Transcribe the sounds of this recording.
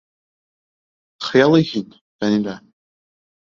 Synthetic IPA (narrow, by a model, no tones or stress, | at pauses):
χjalaɣʲitʼ | d̥anila